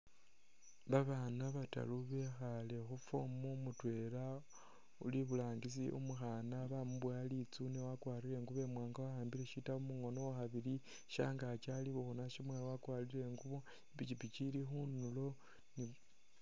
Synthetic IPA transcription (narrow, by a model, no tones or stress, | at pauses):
βaβanaβata̰luβe̞xale̞xufomumutwe̞ɾa | ṵliβulaːŋɡis̬ḭʔṵmuxanaβamuβwaːlit͡sunewakwaːɾiɾe̞ŋɡuβe̞mwaːŋɡawahaːmbiɾe̞ʃitaumuŋo̞nowaxaβiɾi | ʃa̰ːŋɡat͡ʃaliβuxonaʃimwelawakwaːlile̞ŋɡuβo | ipit͡ʃipit͡ʃilixunulo̞ | ni